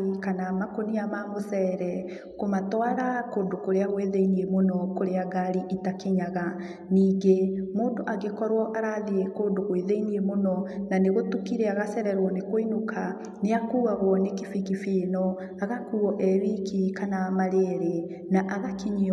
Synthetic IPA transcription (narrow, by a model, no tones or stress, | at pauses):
ikanamakoniamamosɛɾɛ | komatwaɾakoːndokoɾeaɣweðeiniemonɔkoɾeaɡaɾiʔitakeɲaɣa | niːŋɡemoːndoʔaɣekɔɾwɔʔaɾaðiekoːndoɣweðeiniemonɔnaneɣotukiɾeaɣasɛɾɛɾwɔnekoinoka | neakuːaɣwɔnekifikifiːnɔ | aɣakuɔʔɛɾikikanamaɾeɾe | naʔaɣakiɲi